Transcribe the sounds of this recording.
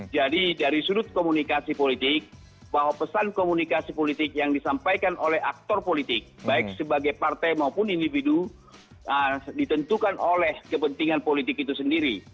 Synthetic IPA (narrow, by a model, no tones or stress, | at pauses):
d͡ʒadidaɾisudʊt̪̚komunikasipolit̪ɪk̚ | baɦwapəsankomunikasipolit̪ɪk̚jaŋdisampajkanolɛhak̚t̪ɔrpolit̪ɪk̚baɪk̚səbaɡajpart̪ajmaupʊnindividu | ədit̪ənt̪ukanolɛhkəpənt̪iŋanpolit̪ɪkit̪usəndiɾi